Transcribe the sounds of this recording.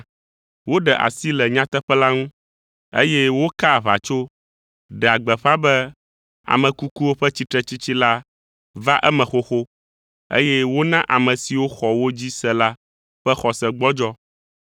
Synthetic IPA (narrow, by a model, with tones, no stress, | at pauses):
wo˦ɖɛ˨ʔa̰˨si˦lɛ˨ɲã˦t̪ɛ˦ɸɛ˦la˦ŋũ˦ | ḛ˦jɛ˦wo˦ka˦˨βa̰˨t͡ʃo˦ | ɖɛ˨a˨ɡ͡bɛ˨ɸa˦bɛ˦ | a̰˨mɛ̃˨ku˦ku˦wo˦ɸɛ˦t͡ɕi˦t̪ɾɛ˦t͡ɕi˦t͡ɕi˦la˦ | va˦ʔɛ˦mɛ̃˨xo˦xo˦ | ḛ˦jɛ˦wo˦nã˦ʔa˨mɛ̃˨si˨wo˦xɔ˨wo˦d͡ʑi˦sɛ˦la˦ | ɸɛ˦xɔ˨sɛ˨ɡ͡bɔ˦d͡ʒɔ˦